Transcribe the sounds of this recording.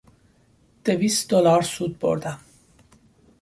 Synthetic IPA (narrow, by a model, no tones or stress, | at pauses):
d̪̥evisd̪olɑɾsut̪̚bo̰ɾd̪a